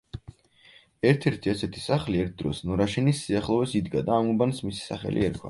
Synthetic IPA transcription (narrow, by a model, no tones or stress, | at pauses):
ɛɾt̪ʰɛɾt̪ʰiasɛt̪ʰi̥saχliɛɾt̪̚ʰd̪ɾɔsnɔɾaʃɛnisːiaχlˠɔvɛsid̪ɡad̪aːmubansmisi̥saχɛ̰lʔḭɛɾkʰwa̰